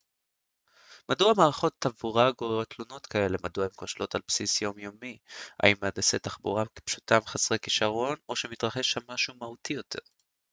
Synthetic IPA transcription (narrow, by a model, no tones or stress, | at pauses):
maduamaːʁaχo̞t̪ːavuʁaɡoʁot̪luno̞tkʰae̞le̞maduaimko̞ʃlo̞talpsisjo̞mjo̞mia̰imːeadasetaχbṵʁake̥pʃu̥tamχasʁekiʃaʁo̞no̞ʃemit̪ʁaχeʃamːaʃumahutʰijo̞tʰe̞̰ʁ